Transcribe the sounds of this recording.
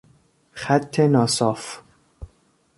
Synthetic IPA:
xæt̪ʰːenɒːsɒːf

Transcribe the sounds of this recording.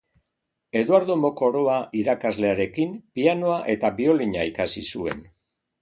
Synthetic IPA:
e̞ðuaɾðombo̞ko̞ɾoaʔiɾakazle̞aɾe̞kimpiano̞aʔe̞t̪aβio̞liɲaikasisue̞̰n

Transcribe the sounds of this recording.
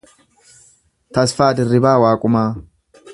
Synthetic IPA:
t̪ɐsfaːd̪ɪrːɪbaːwaːkʼʊmaː

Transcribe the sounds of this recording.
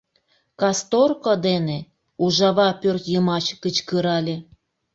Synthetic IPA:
kɑst̪orkod̪ene | uʒɑβɑpørt̪jəmɑt͡ɕkət͡ɕkəɾɑlʲe

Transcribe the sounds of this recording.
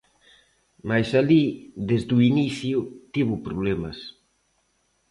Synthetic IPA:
majsaliðezd̪uiniθjut̪iβʊpɾuβlɛmɐs

